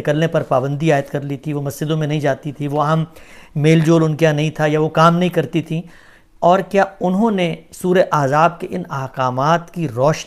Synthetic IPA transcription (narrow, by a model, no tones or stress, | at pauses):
ɪkəlnepɐɾpaːbə̃nd̪iaːɪt̪kɐɾlit̪ʰiʋomɐsd͡ʒɪd̪õmẽnɐɦĩd͡ʒaːt̪it̪ʰiʋoɐɦɐmmeːld͡ʒoːlʊnkeanɐɦĩt̪ʰajaʋokaːmnɐɦĩkɐɾt̪it̪ʰi | ɔːɾkjaːʊnɦõnesuːɾeʔaːzaːb̚keʔɪnɐɦkaːmaːt̪kiɾɔːʃ